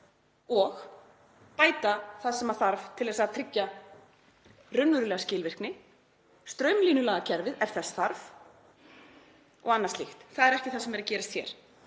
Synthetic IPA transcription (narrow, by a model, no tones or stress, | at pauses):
ɔx | paːjt̪aθaðsɛmaɾθaɾvt̪ʰɪlðɛːsaðt̪ʰɾɪcːa | rʏnvʏɾʏlɛːɣascɪːlvɪr̥knɪ | st̪ɾœːɥmliːnʏlaːɣacʰɛɾvɪðɛɾ̥θɛsθaɾv | ɔ̰ɣanːaɾ̥st̪lixt̪θaðɛɾɛhcɪθasɛmɛɾacɛːɾɪst̪θjɛ̰ːɾ̥